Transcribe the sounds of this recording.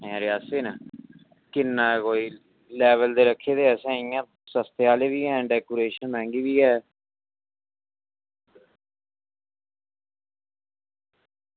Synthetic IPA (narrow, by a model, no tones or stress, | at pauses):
ɛ̃ːɾɪjaːseːnaː | kɪnːãːkoːiː | lɛːʋəld̪eːɾəkʰːeːd̪eːɛːsɛ̃ːĩjãː | səst̪eaːleːʋiːɛ̃ːɖɛːkoːɾeːʃənmɛ̃ːŋɡiːʋiːɛː